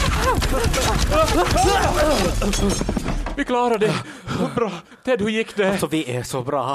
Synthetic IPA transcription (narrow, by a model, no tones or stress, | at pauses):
ʋɪklɑːɾəd̪ɛ | bɾɑː | t̪ʰɛd̪hʉjɪkːd̪ɛsɔʋɪæsobɾɑː